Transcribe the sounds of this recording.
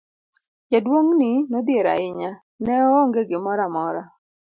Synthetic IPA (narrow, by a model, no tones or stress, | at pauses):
jadwoŋnɪnod̪jeɾa̰ɪɲa | nɛoŋɡeɡɪmɔɾamɔɾa